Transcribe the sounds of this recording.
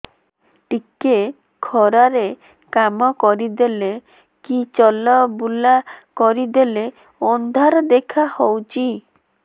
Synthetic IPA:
ʈike | kʰɔɾaɾe | kamɔkɔɾid̪ele | kit͡ʃɔlɔbulakɔɾid̪ele | ɔnd̪ʱaɾɔd̪ekʰahowt͡ʃʰi

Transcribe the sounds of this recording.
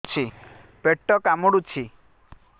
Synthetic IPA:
t͡ʃʰi | peʈːɔkamɔɽut͡ʃʰi

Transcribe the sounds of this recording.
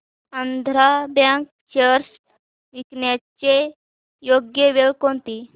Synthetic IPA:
ənd̪ʱɾabãŋk̚ | t͡ɕəɾs | ʋiknjat͡ɕe | joɡjəʋewkont̪i

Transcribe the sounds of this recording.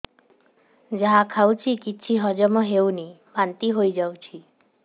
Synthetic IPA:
d͡ʒaɦãkʰawt͡ʃʰikiːt͡ʃʰiɦɔd͡ʒɔmɔɦewnibant̪iɦojd͡ʒawt͡ʃʰi

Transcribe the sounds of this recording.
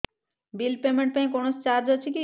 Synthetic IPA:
bilpemeɳʈ̚pãj̃konot͡ɕaɾd͡ʑot͡ɕʰeki

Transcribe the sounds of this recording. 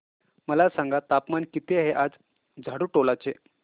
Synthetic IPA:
məlasãŋɡat̪apmankit̪eɦeʔad͡z | d͡zʱaɽuːʈolat͡se

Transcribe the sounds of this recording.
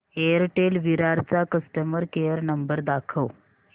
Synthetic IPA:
eəɾʈelʋiɾaɾt͡sakəsʈəməɾkejəɾnəmbəɾd̪akʰəw

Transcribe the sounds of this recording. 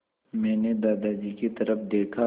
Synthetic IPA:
mɛ̃ːned̪aːd̪ad͡ʒikit̪ɐɾəfd̪eːkʰa

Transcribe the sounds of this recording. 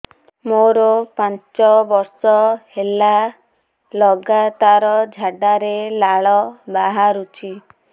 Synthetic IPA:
moɾɔpant͡ʃɔbɔɾsɔhela | lɔɡat̪aɾɔd͡ʒʱaɖaɾelaɭɔbaɦaɾut͡ʃʰi

